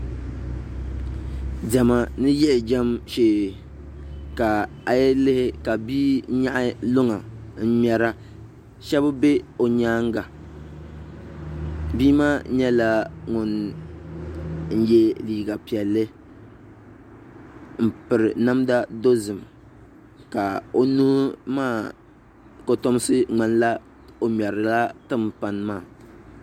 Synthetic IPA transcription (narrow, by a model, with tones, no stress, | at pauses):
dɛ˨ma˨nɨ˦jɛ˦ʔɪ˨d͡ʒɛ˦mʃeː˨ | ka˨ | a˨jɛ˦lɪ˦hɪ˦ka˨biː˦ɲa˦ʔɪ˦lʊ˦ŋa˨n̩˦m˦ɛ˨ɾa˦ | ʃɛ˦bbe˦o˨ɲaː˦ŋ˦ɡa˨ | biː˦maː˦ɲɛ˦la˦ŋʊ˨n | n̩˦jɛ˦liː˨ɡa˨pi˨ɛ˨lːɨ˦ | m̩˨pɨ˨ɾɨ˨na˦mda˦do˦zɨ˨m | ka˨o˨nu˦maː˦˨ | ko˦to˦m˦sɨ˦ŋ͡ma˨nla˦ | o˨mʲ˨ɛ˨ɾɨ˨la˦tɨ˦˨m˨pa˨n˦maː˦˨